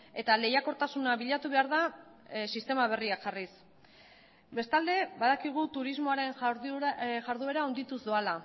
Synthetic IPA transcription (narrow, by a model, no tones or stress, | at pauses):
e̞t̪ale̞jako̞ɾt̪asunaβiʎat̪uβe̞aɾð̞a | sist̪e̞maβ̞e̞riakʝaris | be̞st̪ald̪e̞βaðakiɣ̞ut̪uɾizmo̞aɾe̞n | ʝaɾðue̞ɾaond̪it̪uzðoala